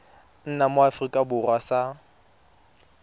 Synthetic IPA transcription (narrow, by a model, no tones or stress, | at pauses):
n̩namoafrikʼabʊrwasa